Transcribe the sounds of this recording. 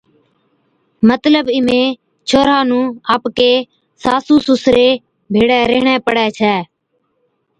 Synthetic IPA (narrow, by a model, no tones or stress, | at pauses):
mət̪ləbɪmẽː | t͡ʃʰoːɾaːnũːaːpkeː | saːsuːsusɾeː | bʱeːɽɛːɾeɦɳɛ̃ːpəɽɛːt͡ʃʰɛː